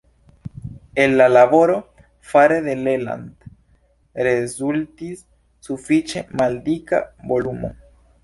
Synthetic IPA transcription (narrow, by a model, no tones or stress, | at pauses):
enːalabo̞ɾo̞ | faɾeðe̞lela̰nd̪ | ɾezult̪isː | ufit͡ʃe̞mald̪ika̰bo̞lumo̞̰